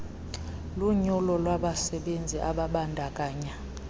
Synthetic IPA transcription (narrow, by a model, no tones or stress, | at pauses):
luɲɔlɔlwaɓasɛɓend͡zʱiʔaɓaɓandʱakʼaːɲa